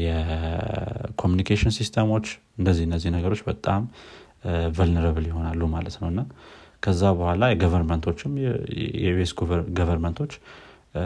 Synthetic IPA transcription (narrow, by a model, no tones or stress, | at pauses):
jɛ | kʰomjunikʰeʃɪnsist̪ʰəmo̞t͡ʃː | ɨndəzːihɨnːəzːihnəɡəɾo̞t͡ʃːbət̪ʼːam | vəlnəɾəβɨljɪho̞nalːumalət̪nəwɨnːakʰəzːabəhʷalajɛɡəvəɾmənt̪ʰo̞t͡ʃːɪmjɛ̰uesɡuɡəvəɾmənt̪ʰo̞t͡ʃː